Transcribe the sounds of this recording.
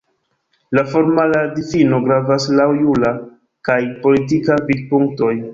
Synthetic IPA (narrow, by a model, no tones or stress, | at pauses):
lafo̞ɾmaladifino̞ɡɾavaslawjula | kajpo̞litikavid̚puŋk̚to̞j